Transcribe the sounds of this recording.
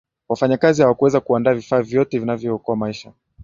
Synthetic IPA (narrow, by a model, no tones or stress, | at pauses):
wafaɲakazihawakuwɛzakuandaːvifaːvjɔtɛvinavjɔːkɔamaiʃa